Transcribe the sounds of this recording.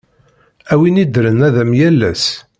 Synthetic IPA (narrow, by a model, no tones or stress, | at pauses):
æwinid̪ɾənæðæmjælːæs